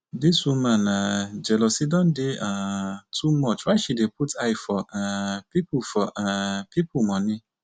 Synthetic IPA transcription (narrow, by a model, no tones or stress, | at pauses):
dɪsũmãnãd͡ʒɛlɔsidɔ̃ndɪatʰumɔt͡ʃwaʃidepʰutʰaɪfɔɛpipʰufɔʔpʰipʰumɔ̃nɪ̃